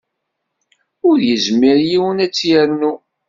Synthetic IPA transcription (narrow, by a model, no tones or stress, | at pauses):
ʊɾjəzmːiɾjiwənæt͡sːjæɾnu